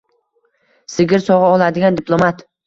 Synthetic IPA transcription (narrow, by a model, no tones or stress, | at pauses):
sɪɡʲɪɾsɒʁɨɒlˠad̪ɪɡʲand̪ɪpʰlˠomat̪